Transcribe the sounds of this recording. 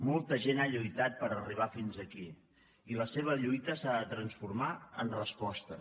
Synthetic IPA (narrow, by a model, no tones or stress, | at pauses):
mɔlˠt̪əʒenaʎujt̪at̪̚pəɾəriβ̞afinzəki | iləseβ̞əʎujt̪əsaðət̪ɾənsfuɾmaə̰nrəspɔst̪ə